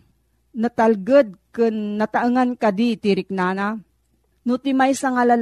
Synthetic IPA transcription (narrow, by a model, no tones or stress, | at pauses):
nɐt̪alɡɨd̪̚kɨnːɐt̪aʔɯŋankad̪it̪iɾɪk̚naːna | nʊt̪ɪmajsaŋalal